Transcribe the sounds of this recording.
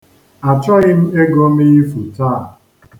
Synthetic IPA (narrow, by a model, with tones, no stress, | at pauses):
a˨t͡ʃɔ˦ɣɪ˦m̩˦e˦ɡo˦mi˦i˦fu˨taː˦˨